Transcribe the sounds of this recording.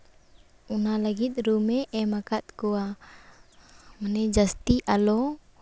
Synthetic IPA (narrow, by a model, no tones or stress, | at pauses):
unalaɡit̪̚ɾumeʔɛmakat̪̚kua | manɛd͡ʒast̪iʔalo